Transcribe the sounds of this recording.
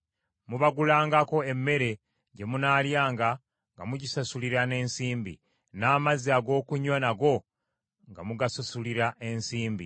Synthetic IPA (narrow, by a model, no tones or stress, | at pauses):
muβaɡulaːŋɡako̞e̞mːe̞ɾe̞ | ɟe̞munaːljaːŋɡa | ŋɡa̰muɟisasuliɾane̞ːnsiːmbḭ | naːmaziaɡo̞ːkuɲonaɡo̞ | ŋɡamuɡasasuliɾaʔe̞nsiːmbḭ